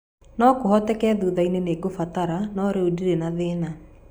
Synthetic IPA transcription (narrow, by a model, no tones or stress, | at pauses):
nɔkoɦɔtɛkɛðuːðaineneːɡofataɾanɔɾeudiɾenaðena